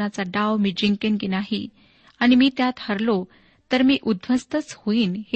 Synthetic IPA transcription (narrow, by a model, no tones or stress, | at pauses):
at͡saɖaʋmid͡ʑiŋkenkinaɦi | aɽ̃imiːt̪jat̪həɾlo | t̪əɾmiːʔud̪ʱʋəst̪ət͡shoiːnhe